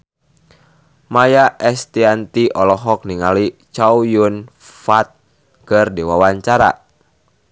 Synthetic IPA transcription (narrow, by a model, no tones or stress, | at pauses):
majaʔɛst̪iant̪iʔɔlɔɦɔk̚niŋalit͡ʃaujun | fat̪̚ | kɨrdiwawaɲt͡ʃaɾa̰